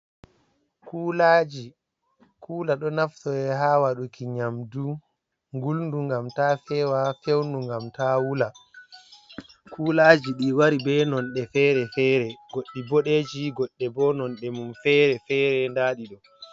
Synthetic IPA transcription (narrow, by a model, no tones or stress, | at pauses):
kuːlad͡ʒi | kʰuːlaɗɔnaftɔɛɦaːwaɗukiɲamdu | ŋɡulnduŋɡamtafɛwafewnduŋɡamtawula | kʰuːlaːd͡ʒiɗiwaɾibɛnɔnɗɛfɛɾɛfɛːɾɛɡ̥oɗːibɔɗed͡ʒiɡɔɗːɛbɔnɔnɗɛmumfɛːɾɛfɛːɾɛndaːɗiɗɔ